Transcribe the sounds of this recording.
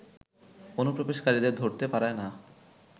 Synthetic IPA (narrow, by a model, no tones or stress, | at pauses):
onupɾobeʃkaɾid̪eɾd̪ʱoɾt̪epaɾaena